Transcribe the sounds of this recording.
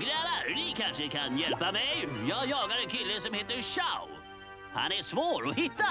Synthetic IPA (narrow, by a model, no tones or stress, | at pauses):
ɡɾɛːvaɾnɪkʰanʂəkʰanjɛlpamɛjjɑːɡjɑːɡaɾɛnkʰɪlːəsɔmheːt̪əɾʂaʊ | ha̰næʂvoːɾɔhɪt̪ːa